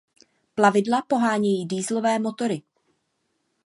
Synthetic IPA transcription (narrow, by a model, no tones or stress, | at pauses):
plavɪdlapo̞ɦaːɲɛjiːdiːzlo̞vɛːmo̞t̪o̞ɾɪ